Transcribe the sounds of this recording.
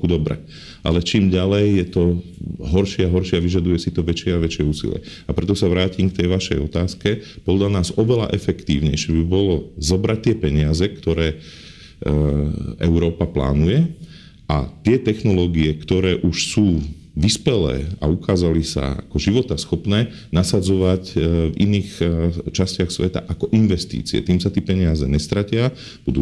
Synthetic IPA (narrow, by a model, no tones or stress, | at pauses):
kud̪ɔbɾɛ̰ | ʔa̰lɛt͡ʃiːmɟalɛjːjɛt̪ɔɦɔɾʃɪɛaɦɔɾʃɪaʋiʒad̪ujɛsit̪ɔʋɛt͡ʃɪɛaʋɛt͡ʃɪɛuːsḭlɪ̰ɛ̰ | apɾɛt̪ɔsaʋɾaːcimkt̪ɛjʋaʃɛjɔt̪aːskɛpɔd̪ʎanaːzɔʋɛla̰ʔɛfɛkt̪iːʊɲɛjʃɛbibɔlɔzɔbɾac̚t̪ɪɛpɛɲɪazɛkt̪ɔɾɛː | ʔɛʊɾɔːpapla̰ːnujɛ | ʔa̰t̪ɪɛt̪ɛxnɔlɔːɡiɛkt̪ɔɾɛːʔuʃsuː | ʋispɛlɛ̰ːa̰ukaːzalisa̰a̰kɔʒiʋɔt̪asxɔpnɛː | nasad͡zɔʋacvḭniːxt͡ʃascɪaxsʋɛt̪a̰ʔakɔʔinʋɛst̪ḭːt͡sḭɛ̰t̪iːmsat̪ɪiɛpɛɲɪazɛɲɛst̪ɾacɪa | b̥ud̪uː